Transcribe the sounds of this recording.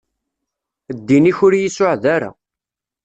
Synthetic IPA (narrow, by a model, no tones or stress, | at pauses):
d̪ːiniçʊɾjisʊʕðaɾa̰